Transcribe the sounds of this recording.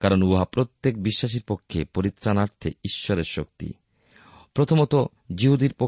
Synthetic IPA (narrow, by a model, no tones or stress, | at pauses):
kaɾonuɦapɾot̪ːek̚biʃːaʃ̬iɾpokʰːepoɾit̪ːɾanaɾt̪ʰḛiʃːɔɾeɾʃok̚t̪ḭ | pɾot̪ʰomot̪o | d͡ʑiɦud̪iɾpo